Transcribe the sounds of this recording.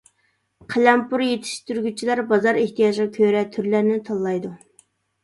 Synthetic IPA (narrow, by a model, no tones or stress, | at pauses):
qʰelɛmpʰuɾjet̪ʰɪ̥ʃt̪yɾɡʲyt͡ʃʰilæɾbɑzɑɾeht̪ijɑːʒʁɑkʲʰøɾɛt̪ʰyɾlæɾnɪt̪ʰɑlˠːɑjd̪u